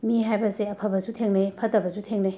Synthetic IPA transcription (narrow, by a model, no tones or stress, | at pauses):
miɦajbɐseɐpʰɐbɐzutʰeŋnɐjpʰɐtɐbɐzutʰeŋnɐj